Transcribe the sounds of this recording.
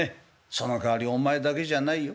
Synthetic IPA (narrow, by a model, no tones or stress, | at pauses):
e | sonokaaɾʲio̞maed̪ake̞ʑanai